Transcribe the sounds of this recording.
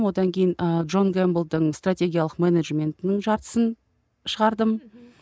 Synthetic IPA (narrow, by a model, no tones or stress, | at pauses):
mwo̞d̪ɑŋkʲʰe̞jɪnəd̪ʒo̞nɡembəlˠd̪əɴst̪rat̪ʲe̞ɡʲijaɑlˠəqmeneʒmʲe̞nt̪ɪnɪŋʒɑɾt̪ə̥sən | ʃəʁɑɾd̪əm